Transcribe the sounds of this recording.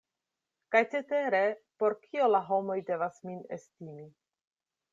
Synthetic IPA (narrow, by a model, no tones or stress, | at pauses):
kajt͡sete̞ɾe̞po̞ɾkʰio̞laɦo̞mo̞jde̞vasminḛstimi